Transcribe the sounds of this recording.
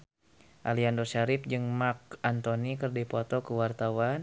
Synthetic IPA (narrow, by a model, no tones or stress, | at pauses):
ʔaliandɔʃaɾɪp̚d͡ʒɨŋmak̚ant̪onikərdipɔt̪ɔkəwart̪awan